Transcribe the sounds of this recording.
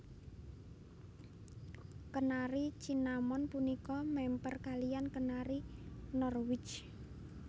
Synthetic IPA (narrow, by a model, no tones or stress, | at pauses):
kənaɾit͡ʃinamɔnpunikɔmɛmpərkalijankənaɾinɔrwɪ̥t͡ʃ